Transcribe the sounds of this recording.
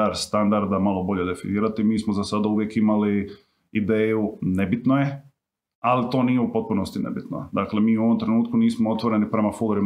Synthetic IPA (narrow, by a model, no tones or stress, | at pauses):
aɾst̪and̪aɾd̪amalo̞bo̞ʎe̞d̪e̞finiːɾat̪imiːsmozasad̪auʋje̞kimali | id̪eːjune̞bit̪noje̞ | alit̪o̞ːnije̞upo̞t̪̚puno̞st̪inḛbit̪no̰d̪akle̞miːuoo̞mt̪ɾe̞nuːt̪̚kuniːsmoo̞t̪ʋo̞ɾe̞nipɾe̞mafulˠoɾim